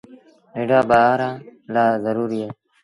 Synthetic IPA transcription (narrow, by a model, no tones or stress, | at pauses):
ɦeɖaːbəaːɾaːlaːzəɾuːɾieː